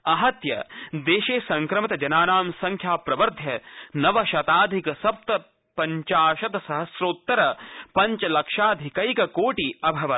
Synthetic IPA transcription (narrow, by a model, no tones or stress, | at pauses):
ɐɦɐt̪jɐ̰d̪eːʃeːsɐ̃ŋkɾɐmɐt̪ɐd͡ʒɐnaːnaːmsɐŋkʰjaːpɾɐʋɐɾd̪ʱjɐnɐʋɐʃɐt̪aːd̪ʱikɐsɐp̚t̪ɐ | pɐɲt͡ʃaːʃɐt̪ɐsɐɦɐsɾoːt̪ːɐɾɐpɐɲt͡ʃɐlɐkʃaːd̪ʱikɐjkɐkoːʈiɐbʱɐʋɐt̪